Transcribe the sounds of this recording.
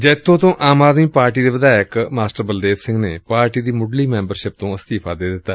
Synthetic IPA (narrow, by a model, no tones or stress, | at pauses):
d͡ʒɛːt̪ʰːõːt̪õːʔaːmaːd̪miːpaːɾʈiːd̪eːʋɪd̪aːɪkmaːsʈəɾbəld̪eːsɪ̃ŋɡneːpaːɾʈiːd̪iːmʊɖliːmɛ̃ːmbəɾʃɪp̚t̪õːəst̪iːpʰaːd̪eːd̪ɪt̪ːaː